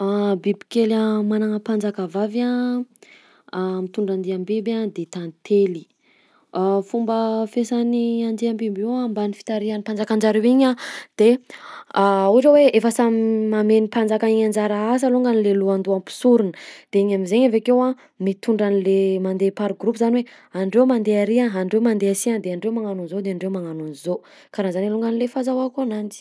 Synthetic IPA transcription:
abibi̥kelamanaŋəpand͡zakavava | mit̪uɳɖ͡ʐand̪eambebad̪et̪ant̪ʰeli | afumbəfesaniand̪eambebewambanifi̥t̪aɾianipand͡zakand͡ʒaɾewiɲad̪̥e | uʈ͡ʂaweefəsamimamenipand͡zakaiɲand͡ʒaɾaasaluŋɡanileluand̪uampi̥suɾunə̥d̪̥eiɲamizeɲavakewa | mit̪uɳɖ͡ʐanilemand̪epaɾɡɾupuzaniwe | aɳɖ͡ʐewmand̪eaɾiaaɳɖ͡ʐewmand̪easind̪eaɳɖ͡ʐewmaŋanunzod̪eaɳɖ͡ʐewmaŋanunizo | kaɾazaniluŋɡanilefazawakuanand͡zi̥

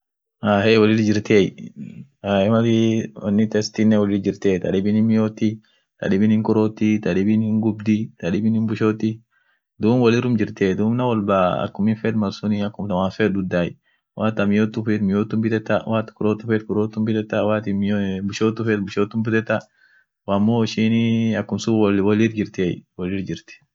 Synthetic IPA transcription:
aheːwɐlɪld͡ʒɪɾt̪eːj | aɛmɐɪwɐnːɪt̪ɛst̪inːɛwɔlɪld͡ʒɪɾt̪eːt̪ɐ̰ᶑɪbɪnɪmɪjoːt̪ːɪ | t̪ɐ̰ɗɪbɪnhɪŋkʊɾoːt̪ːit̪ɐᶑɪbɪnhɪŋɡʊbd̪ɪt̪ɐᶑɪbɪnɪmbʊʃoːt̪ːɪ | d̪uːmwɐlɪɾʊmd͡ʒɪɾt̪eːd̪uːmnɐwɔlbaːɐ̰kːʊmɪnfɛːd̪mɐlsʊniɐkːʊmt̪ɐmaːfeːd̪ʊd̪ːaːj | wʔaːt̪ːɐmɪjoːt̪ːʊfeːt̪mɪjoːt̪ːʊmbɪt̪ɛt̪ːɐwaːt̪kʊɾoːt̪ːʊfeːt̪kʊɾoːt̪ːʊmbɪt̪ɛt̪ːɐwaːt̪ɪbʊʃoːt̪ːʊfeːt̪bʊʃoːt̪ːʊmbɪt̪ɛt̪ːɐ | wamːoːɪʃinɐkːʊmsʊwɔlɪɾd͡ʒɪɾt̪ḛːwɔlɪɾd͡ʒɪɾt̪ɛ̥

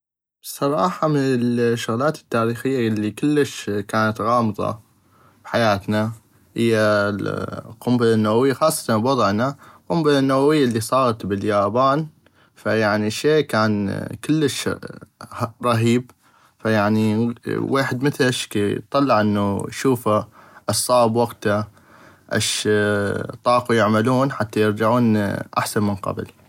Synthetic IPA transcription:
sˤɑɾˤɑːħɑmɪnɪlʃːʊɣlaːt̪ɪ̥t̪ːaːɾiːxɪjːalːikɪlːəʃkaːnat̪ɣɑːmɨðˤɑ̰ | bħajaːt̪na | hɪ̰jːalqʊmbɪlanːawawɪjːaxɑːsˤːɑ̥t̪anbwɑðˤʕnaqʊmbɪlanːawawɪjːaʔlːisˤɑːɾˤɑt̪bɪljaːbaːn | fajaʕniʃeːkaːnkɪlːəʃ | ɾˤɑɦiːb̚ | fajaʕniweːħɪd̪mɪθlɪʃket̪ˤːɑlːɑʕʔɪnːujʃuːfaʔɑsˤːɑːbwaɡt̪a | ʔa̰ʃ | t̪ˤɑːqujɪʕmaluːnħat̪ːajɪɾd͡ʒaʕuːnʔa̰ħsanmənqɑ̰bl

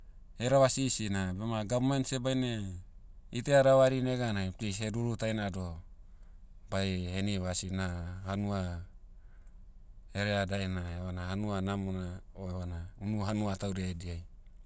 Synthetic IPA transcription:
eɾaβasisinabemaɡammansebajne | iteaɾaβaɾineɡanajplisheɾuɾutajnado | bajeniβasinahanua | eɾeadajnaeβanahanuanamonaoeβanaunuɦanuatawɾeaediaj

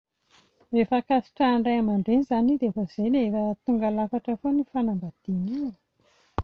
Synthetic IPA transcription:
efakasi̥ʈ͡ʂaːɳɖ͡ʐajamaɳɖ͡ʐenizanid̪eafəz̥ejnefət̪uŋɡalafaʈ͡ʂəfonifanambad̪̥ini

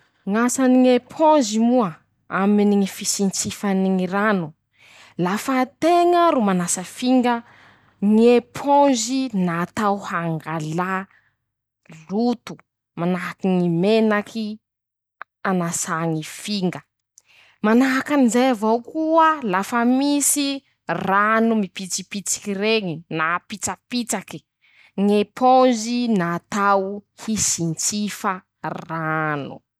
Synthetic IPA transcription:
ŋasaniŋepʰɔ̃zimuə | aminiŋifisint͡sifaniŋiɾanu | lafət̪eŋəɾumanasəfiŋɡə | ŋiepʰɔ̃zinat̪awhaŋɡala | lut̪u̥ | manaɦakiŋimenakʰi | anasaŋifiŋɡə | manaɦakanizejavawkuəlafəmisi | ranumipit͡sipit͡si̥kireŋinapit͡sapit͡saki̥ | ŋepʰonzinat̪awhisint͡sifə | ranṵ

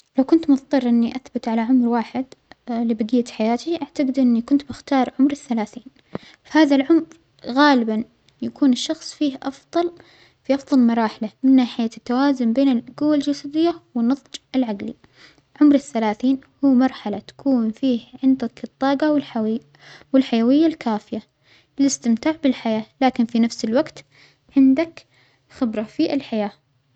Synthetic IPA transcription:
lawkʊnt̪mʊft̪ˤɨrˤːʔɪnːiʔaθbɪt̪ʕalaʕʊmɾwaːħɪd̪lɪbɪd̪ɪjːt̪ħajaːt̪iʔaʕt̪aɡɪd̪ʔɪnːikʊnt̪bɪxt̪ɑːɾˤʕʊmɾɪθːalaːθiːn | fahaːðalʕʊmɾ | ɣaːlɪban | jakuːnɪʃːɑxsˤfiːhʔɑfðˤɑl | fiʔɑfðˤɑlmɑɾˤɑːħɪlamɪnːaːħɪjat̪ːawaːzʊmbeːnɪlɡuwːald͡ʒasad̪ɪjːawɪnːɑðˤd͡ʒɪlʕaɡlḭ | ʕʊmɾɪθːalaːθiːnhuːmɑɾˤħalat̪ḁkuːnfiːhʕɪnd̪akɨt̪ˤːɑːɡɑwl | wɪlħajawɪjːalkaːfɪja | ɪlɪst̪ɪmt̪aːʕbɪlħajaːlaːkɪnfinafsɪlwaɡt̪ | ʕɪnd̪ak | xɪbɾˤɑfiʔɪlħajaː

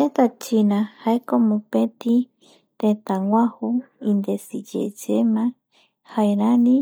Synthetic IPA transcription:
et̪at͡ʃinãhaekomũpẽt̪ĩ | t̪ẽt̪ãŋʷãhuind̪esid͡ʒḛd͡ʒemã | haeɾãnĩ

